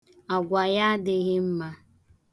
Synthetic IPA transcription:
a˨ɡʷa˨ja˦dɪ˦ɣɪ˦m̩˦ma˦

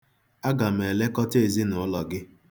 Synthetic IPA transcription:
a˦ɡa˨m̩e˨le˦kɔ˦te˨zi˦nʊ˨ʊ˦lɔ˨ɡɪ˦

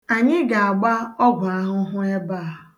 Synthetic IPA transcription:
a˨ɲɪ˦ɡa˨a˨ɡ͡ba˦ɔ˦ɡʷʊ˨a˦ɦʊ˦ɦʊ˦e˦baː˦˨a˨

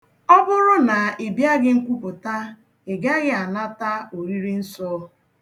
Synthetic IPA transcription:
ɔ˦bʊ˦ɾʊ˦na˨e˨bja˦ɡɪ˦ŋ̩˦kʷu˦pʊ˨ta˦ | ɪ˨ɡa˦ɡɪ˦a˨na˦ta˦o˨ɾi˦ɾi˦n̩˦sɔ˦

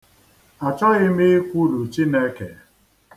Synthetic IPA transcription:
a˨t͡ʃɔ˦ɣɪ˦me˦kʷu˦lu˨t͡ʃi˦ne˦ke˨

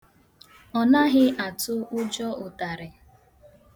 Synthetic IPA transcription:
ɔ˨na˦ɦɪ˦ʔa˨tʊ˦ʊ˦d͡ʒɔ˦ʊ˨ta˨ɾɪ˨

